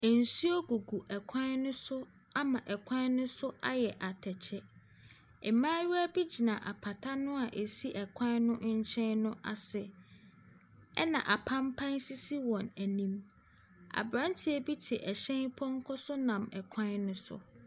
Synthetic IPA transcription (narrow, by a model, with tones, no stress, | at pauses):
æ˨n̩˨su˦ɔ˦ɡu˨ɡu˨ʔɛ˨kʷʰã˦nnʊ̃˦sʊ˦ | a˦mã˨ʔɛ˨kʷʰã˦n˦nʊ̃˦sʊ˦ʔa˦jɛ˨ʔa˨tʰɛ˨t͡ɕʰɛ˦ | ɛ˨mãː˦ɥæ˦bi˦d͡ʑi˨nã˨ʔa˨pʰa˨tʰa˦nʊ̃˦a˨ʔe˨si˦ʔɛ˨kʷʰã˦nnʊ̃˦ɲ̩˦t͡ɕʰɛ̃˦nnʊ̃˦ʔa̰˨sɛ˨ | ɛ̰˦nã̰˨ʔa˨pʰã˦mpʰã˦nsi˦si˦wɔ̃˨næ˨nĩ˦m | a̰˨bɾã˦ntʰɪ˦æ˨bi˦tʰɪ˨ʔɛ˨ɕɛ̃˦npʰɔ˦ŋ̩˦kʰɔ˦sʊ˦nã˨mɛ˨kʷʰã˦nnʊ̃˦sʊ̰˨